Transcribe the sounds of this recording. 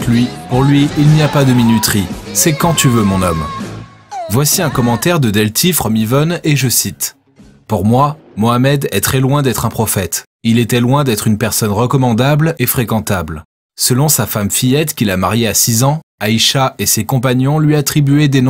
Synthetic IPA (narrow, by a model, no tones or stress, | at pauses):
lɥipuʁlɥiːlnijapad̪əminyt̪χisɛkɑ̃t̪yvømɔ̃nɔm | vwasiɛ̃kɔmɑ̃t̪ɛʁd̪əd̪ɛlt̪ʰifχɔmivɔneʒəsit̪ | puʁmwamoamɛd̪ɛt̪χɛlwɛ̃d̪ɛt̪χɛ̃pχɔfɛt̪ | ilet̪ɛlwɛ̃d̪ɛt̪χynpɛʁsɔnʁəkɔmɑ̃d̪ablefχekɑ̃t̪abl | səlɔ̃safamfijɛt̪kʲilamaʁjeasizɑ̃aiʃaesekɔ̃p̬aɲɔ̃lɥiat̪χibyɛd̪eñ